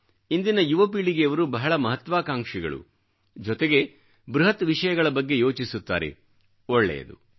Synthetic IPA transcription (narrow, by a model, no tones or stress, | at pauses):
ind̪inɐjuʋɐpiːɭiɡeɐʋɐɾubɐɦɐɭɐmɐɦɐt̪ʋaːkaːŋkʂiɡɐ̰ɭṵ | d͡ʒɔt̪eɡe̞ | bɾuɦɐt̪ʋiʂɐjɐɡɐɭɐbɐɡːe̞jo̞ːt͡ʃisut̪ːa̰ːɾe̞̰ | ɔɭːɛ̰jɐ̰d̪ṵ